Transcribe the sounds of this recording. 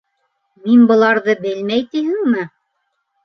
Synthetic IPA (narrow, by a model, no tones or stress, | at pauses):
minbɤ̆lˠɑɾðɤbɘlmæjt̪ihɘ̆ŋmɘ